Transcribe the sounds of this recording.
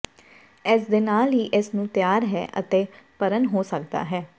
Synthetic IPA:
ɪːsd̪eːnaːlɦiːʔɪsnũːt̪jaːɾɦɛ̰ːʔə̰t̪eːpəɾənɦoːsək̚d̪a̰ːɦɛː

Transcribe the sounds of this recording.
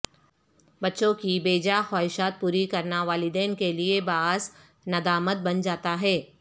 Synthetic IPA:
bɐtːʃõkibeːd͡ʒaxaːɪʃaːt̪̚puːɾikɐɾnaʋaːlɪd̪ɛːnkeliebaːz | nɐd̪aːmət̪̚bɐnd͡ʒaːt̪aɦɛː

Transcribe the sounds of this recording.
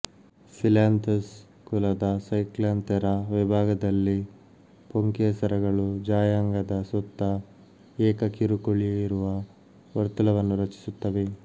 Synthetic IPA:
silaːnt̪ɐs | kulɐd̪ɐsɐjklaːnt̪ɐɾɐʋibʱaːɡɐd̪ɐlːi | poŋkesɐɾɐɡɐɭud͡ʒaːjaŋɡɐd̪ɐsut̪ːɐ | ɛːkɐkiɾukuɭijeiɾuʋɐ | ʋɐɾt̪ulɐʋɐnːuɾɐt͡ʃi̥sut̪ːɐʋe

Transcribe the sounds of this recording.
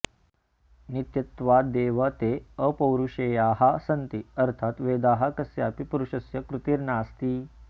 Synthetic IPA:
nit̪jɐt̪ʋad̪eːʋət̪eəpɐwɾuʂejaːɦasɐnt̪iɐɾt̪ʰaːt̪ʋeːd̪aːɦakɐsjaːpipuɾuʃɐsjɐkɾut̪iːɾnaːst̪iː

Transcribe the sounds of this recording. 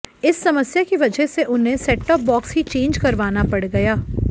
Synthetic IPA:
ɪsːɐməsjakiʋɐd͡ʒɛɦseʔʊnɦẽsɛːʈəp̚bɔːksɦit͡ʃẽːnd͡ʒkɐɾʋaːnapɐɽɡɐjaː

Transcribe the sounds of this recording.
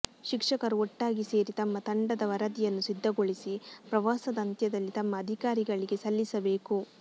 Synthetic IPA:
ʃikʂɐkɐɾuɔʈːaːɡise̞ːɾit̪ɐmːɐt̪ɐɳɖɐd̪ɐʋɐɾɐd̪ijɐnːusid̪ʱːɐɡo̞ɭisipɾɐʋaːsɐd̪ɐnt̪jɐd̪ɐlːit̪ɐmːɐːd̪ʱikaːɾiɡɐɭiɡe̞sɐlːisɐbe̞ːku

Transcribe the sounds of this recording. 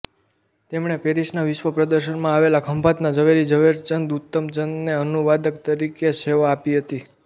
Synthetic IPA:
t̪emɳepeɾiʃnaʋɪʃʋəpɾəd̪əɾʃənmãaʋelakʰəmpat̪nad͡ʒəʋeɾid͡ʒəʋeɾt͡ʃənd̪ut̪ːəmd͡ʒənneənuʋad̪ək̚t̪əɾikeseʋaːpiɦət̪i

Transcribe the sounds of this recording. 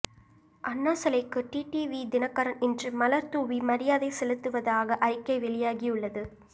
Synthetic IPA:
ʔɐnːaːsɐlɐɪkːɯʈiːʈiːʋid̪ɪnɐkːɐɾɐnɪndrɯmɐlɐɾt̪uːʋimɐɾɪjaːðɐɪsɛlɯt̪ːɯʋɐðaːɣɐʔɐɪkːɐɪʋɛɭɪjaːɣijɯɭːɐðɯ

